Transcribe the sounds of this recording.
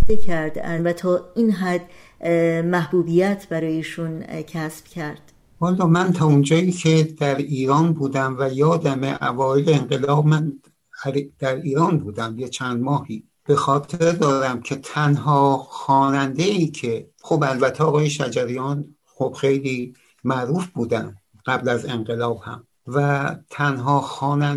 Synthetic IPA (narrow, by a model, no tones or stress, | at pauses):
d̪ekʰæɾd̪ænvæt̪ʰɒːinɦæd̪ | mæhbuːbijæt̪ʰbæɾɒːjeiːʃuncʰæsb̥cʰæɾd̪̥ | hɒːlːɒːmænt̪ʰɒːond͡ʒɒːiːkʰe̞d̪̥æɾiːɾɒːnbuːd̪æmvæjɒːd̪æmeʔævɒːeleeŋɢelɒːbmæn | æɾd̪̥æɾiːɾɒːnbuːd̪æmjet͡ʃʰænd̪mɒːhiː | b̥e̞xɒːt̪ʰeɾd̪ɒːɾæmcʰe̞t̪ʰænɦɒːxɒːnænd̪e̞iːcʰe̞ | xobælbæt̪ʰːeɒːɣɒːje̞ʃæd͡ʒæɾijɒːn | xob̥xe̞jliː | mæʔɾuːfb̥uːd̪æn | ɡ̥æblæze̞ŋɢe̞lɒːb̥hæ̰m | væt̪ʰænɦɒːxɒːnæn